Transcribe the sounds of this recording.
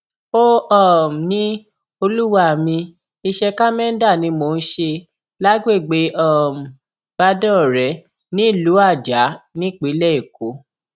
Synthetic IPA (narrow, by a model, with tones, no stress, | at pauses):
o˦ɔ˦˨m̩˨nĩ˦ | o˧lu˦wa˦˨mĩ˧ | i˧ʃɛ˧ka˦mɛ̃˦n̩˦da˦˨nĩ˧mo˨˧n̩˦ʃe˧ | la˦ɡ͡be˦˨ɡ͡be˨˦ɔ˦˨m̩˨ | b̥a˧dɔ̃˦˨ɾɛ˨˦ | nĩ˦˨lu˨˦a˦˨d͡ʒa˨˦nĩ˦˨k͡pi˨˦lɛ˦e˨kʰo˨˦